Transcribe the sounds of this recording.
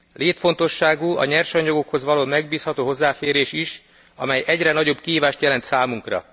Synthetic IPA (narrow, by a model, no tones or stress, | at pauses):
leːt̪fo̞nt̪o̞ʃːaːɡuɒ̰ɲɛrʃɒɲːoɡo̞kho̞zʋɒloːmɛɡbiːshɒt̪oːɦo̞zːaːfeːɾeːʃiʃ | ɒmɛjʔɛɟrɛnɒɟo̞bkiɦiːvaːʃt̪jɛlɛnt̪saːmuŋkrɒ̰